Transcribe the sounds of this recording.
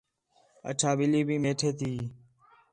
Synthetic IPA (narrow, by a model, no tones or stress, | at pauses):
ə̰t͡ʃʰaːɓɪliːbʱiːmeːʈʰeːt̪ʰiː